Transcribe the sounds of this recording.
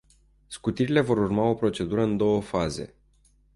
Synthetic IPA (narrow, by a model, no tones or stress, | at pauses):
skut̪iɾile̞vo̞ɾurmao̞pɾo̞t͡ʃe̞d̪uɾəɨnd̪o̞wəfaze̞̰